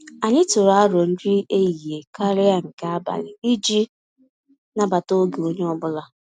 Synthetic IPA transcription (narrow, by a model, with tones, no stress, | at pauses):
a˨ɲɪ˦tʊ˨ɾa˨˦ɾo˨n̩˦di˦ʔe˦ji˨ɦe˨ka˦ɾɪ˦a˦ŋ̩˨ka˦a˦ba̰˨lɪ˨i˦d͡ʒi˦ | na˦ba˨to˦ɡe˨o˦ɲe˦ɔ˦bʊ˦la˨